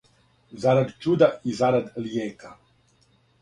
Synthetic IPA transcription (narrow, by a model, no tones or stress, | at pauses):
zaɾad̪t͡ʃud̪aizaɾad̪ljeːka